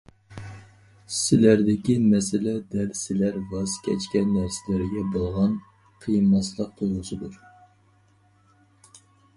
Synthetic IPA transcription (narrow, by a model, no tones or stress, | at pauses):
sɪlæɾd̪ɪkʲimɛsɪlɛd̪ɛlsɪlæɾvɑzkʲʰɛ̰t͡ʃkʲɛnːæɾsɪlɪɾɪɡʲɛbolˠʁɑn | qʰijɨmːɑslˠəq̚t̪ʰoʁʊsɨd̪uɾ